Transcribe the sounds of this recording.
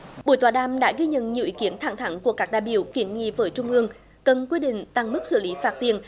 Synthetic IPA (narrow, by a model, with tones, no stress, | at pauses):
ɓu˨˧˩jt̪waː˧˩ɗaː˧˩mɗa̰ː˧˥ɣi˧ɲə̰˧˨nɲi˨˩əwʔi˨˦ki˨˦ənt̪ʰa˧˩ŋt̪ʰa˨˦ŋku˧˩əkaː˦˥k̚ɗaː˧˨jɓi˧˩əwki˨˩ənŋḭ˧˨vəː˨˦jt͡ɕʊ˧ŋ͡mʔɨ˧əŋ | kə˨˩nkwi˧ɗḭ̈˧˨ŋ̟t̪a˨˩ŋmɨ˦˥k̚sɨ̰˧˩li˨˦faː˦˥t̚t̪i˨˩ən